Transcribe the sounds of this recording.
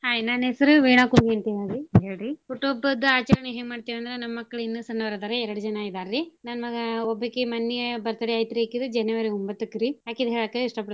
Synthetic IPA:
haːjnaːnesɐɾuʋeːɳaːkuɳɡiɐnt̪eaːɡiɦeːɭɾipuʈːobɐd̪ɐaːt͡ʃɐɾɐɳeɦeːɡmaːɖt̪eːʋɐnd̪ɐɾenɐmːɐkːɐɭinːusɐnːɐʋɐɾd̪aːɾeɛɾɐɽud͡ʒɐnaːid̪aːɾɾinaːnmɐɡɐɔbːɐkːemɐnːiɐbɐɾt̪ɐɽiɐjt̪ɐɾekid̪ud͡ʒɐnɛʋɐɾiombɐt̪ːukɾijaːkid̪ɦeɭaːkːeiʂʈɐpɐɽ

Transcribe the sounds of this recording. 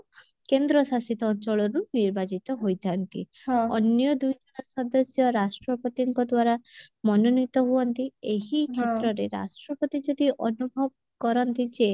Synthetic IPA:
kend̪ɾɔsasit̪ɔɔnt͡ʃɔɭɔɾuniɾbad͡ʒit̪ɔɦojt̪ʰant̪ḭ | ɔnjɔd̪ujd͡ʒɔnɔsɔd̪ɔsjɔɾasʈɾɔpɔt̪iŋkɔd̪waɾamɔnɔnit̪ɔɦuɔnt̪ieɦikʰet̪ɾɔɾeɾa̰sʈɾɔpɔt̪id͡ʒɔd̪iʔɔnubʱɔbɔ | kɔɾɔnt̪id͡ʒe

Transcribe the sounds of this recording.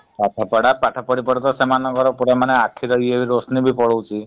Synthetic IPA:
paʈʰapɔɽapaʈʰapɔɽipɔɽɔt̪ɔsemanɔɡɔɾɔpuɽemaneakʰːiɾɔɦieʋiɾosnibʱipɔɽɔwt͡ʃʰi

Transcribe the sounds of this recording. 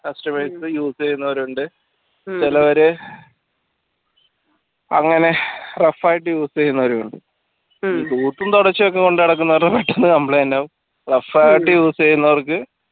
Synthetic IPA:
kɐsʈɐmesɨjuːsejunːɐʋɐɾuuɳɖɨ | t͡ɕilɐʋɐɾe | ɐ̰ŋːɐne̞refːaːjiʈːɨjuːsejunːɐʋɐɾuuɳɖɨ | iːt̪uːʈːunt̪oɽɐt͡ɕːɨjok̬ːe̞ko̞ɳɖɨɐɽɐk̬ːunːɐʋɐrɐpeʈːenːɨkɐmpɭleːnaʋum | refːaːjiʈːɨjuːst͡ɕejunːɐʋɐrkɨ

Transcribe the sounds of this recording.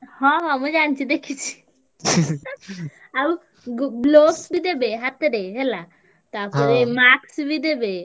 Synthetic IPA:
hɔ̃ɦɔ̃məd͡ʑant͡ɕid̪ekʰit͡ɕʰi̥ | ab | ɡbloksbid̪ebeɦat̪ɾeɦɛla | t̪aɾpɔɾemaksbʱid̪ebe

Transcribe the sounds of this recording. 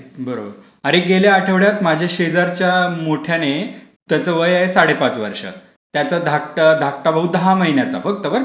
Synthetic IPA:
bəɾobəɾ | aɾeɡeljaːʈʰəʋɭjat̪mad͡ʑʱjaɕed͡zaɾt͡ɕjamoʈʰjane | t̪jat͡səʋəjaɦesaɽepat͡sʋəɾʂə̰ | t̪jat͡sad̪ʱak̚ʈəd̪ʱak̚ʈabəɦud̪əɦaməɦinjat͡sa̰fək̚t̪əʋəɾ

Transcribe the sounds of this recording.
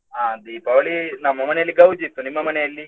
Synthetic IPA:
aːd̪iːpɐʋɐɭinɐmːɐmɐnejɐlːiɡɐwd͡ʒit̪ːunimːɐmɐnejɐlːi

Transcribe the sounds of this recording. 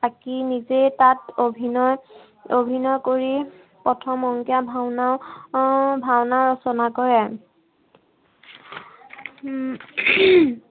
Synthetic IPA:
akinizetatobʱinɔj | obʱinɔjkoɹi | pɹɔtʰɔmɔŋkiabʱawnaʊ | bʱawnaɹɔsɔnakɔɹɛ

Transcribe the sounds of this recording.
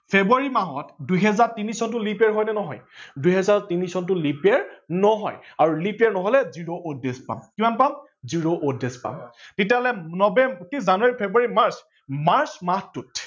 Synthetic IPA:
pʰebuaɹimaɦɔtdujɦɛzaɹtinisɔnt̬ʊlipɛɹɦɔjnɛnɔɦɔjdujɦɛzaɹtinisɔntʊlipɛɹnɔɦɔjaɹulipɛɹnɔɦɔlɛziɹoʔodespa̰mkimanpam | ziɹoʔodespa̰mtetjaɦɔlɛnɔbɛntizanuaɹipʰebuaɹimaɹs | maɹsmatut

